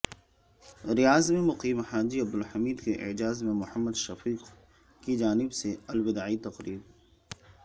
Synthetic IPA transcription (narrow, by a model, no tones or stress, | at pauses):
ɾijaːzmẽmʊqiːmhaːd͡ʒiɐb̚d̪ʊlhɐmiːd̪keʔɪ̰d͡ʒaːzmẽmʊħəmːəd̪ʃɐfiːq | kid͡ʒaːnɪbseɐlwɪd̪aːit̪ɐqɾiːɾ